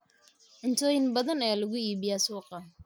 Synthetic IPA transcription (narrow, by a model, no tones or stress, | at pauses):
ʔɪnt̪ʰɔːjɪnbɐðɐnɐjaːlɐɣʊiːβɪjaːsuːqɑ